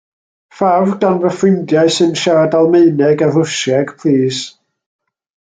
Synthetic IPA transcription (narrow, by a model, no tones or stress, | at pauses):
favɡanvəfrɪndjaɨsɨnʃaɾadalˠmeɨnɛɡarʊʃɛɡ̥pʰliːs